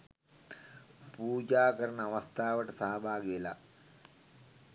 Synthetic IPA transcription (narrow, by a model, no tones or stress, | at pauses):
puːd͡ʒaːkɐɾɐɳɐʋɐst̪ʰaːʋɐʈːɐsaːbʱaːɡiilɐ̰